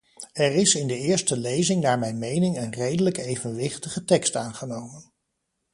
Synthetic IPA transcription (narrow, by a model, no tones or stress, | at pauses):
ɛrɪsɪndəɪːɹstəlejzɪŋnaːɹmɛjnmejnɪŋənrejdələkejvənʋɪχtəχətɛkstaːnχənowmən